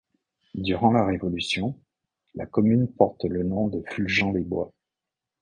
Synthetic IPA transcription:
d̪yʁɑ̃laʁevɔlysjɔ̃ | la̰kɔmynpɔʁt̪lənɔ̃d̪əfylʒɑ̃d̪ebwa

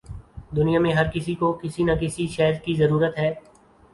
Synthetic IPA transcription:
d̪ʊnijãmẽɦɐɾkɪsikokɪsinakɪsiʃɛːɦɾkizɐɾuːɾət̪ɦɛː

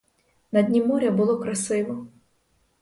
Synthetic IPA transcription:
nɐd̪ʲnʲimɔɾʲɐbʊlˠɔkɾɐsɪʋɔ

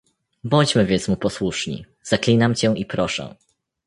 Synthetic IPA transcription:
bɔɲt͡ɕmɘvʲjɛ̃nt̪smupɔswuʂɲḭ | z̥aklʲinamt͡ɕɛ̃ipɾɔʂɛ̰

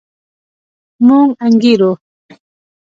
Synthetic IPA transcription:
muŋaŋɡɪɾo

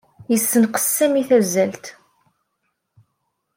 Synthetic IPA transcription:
jəsːənqə̥sːæmiθæzːælt̪

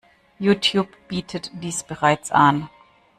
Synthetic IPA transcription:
juːtʰjuːpb̥iːtʰətd̥iːsb̥əʁaɪt͡sʔan

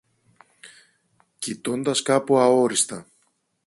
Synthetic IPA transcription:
cit̪o̞nd̪ɐskɐpuɐo̞ɾist̪ɐ

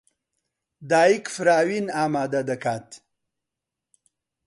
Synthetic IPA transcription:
d̪aːikfɾaːwinaːmaːd̪ad̪ɐkaːt̪

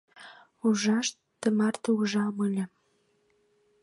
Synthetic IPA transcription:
uʒɑʃt | t̪ːə̆mɑrt̪əuʒɑməlʲə̆

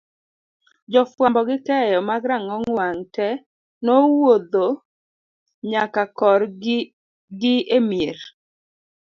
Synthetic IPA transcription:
d͡ʒɔfwambɔɡɪkɛjɔmaɡɾaŋɔŋwaŋtɛ | nowod̪o | ɲakakɔr | ɡɪemjeɾ

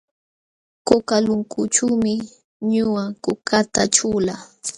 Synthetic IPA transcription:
kʊkalʊŋkʊt͡ʃuwmɪ | ɲʊwakʊkat̪aʈ͡ʂula

